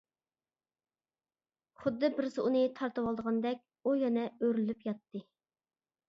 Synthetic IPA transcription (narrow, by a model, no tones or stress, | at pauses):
χʊd̪ːɨbɪɾsɨunɨt̪ʰɑɾt̪ɨwɑlˠd̪əʁɑnd̪ɛk̚ʲ | ujɛnɛøɾlypjɑt̪ːɨ